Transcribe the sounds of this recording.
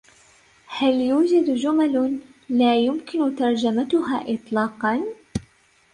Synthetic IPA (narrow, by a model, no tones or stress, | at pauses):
haljuːd͡ʒad̪d͡ʒʊmallaːjʊmkɪnʊt̪ɑɾˤd͡ʒamat̪ʊha̰ːʔɪt̪ˤlɑːqɑn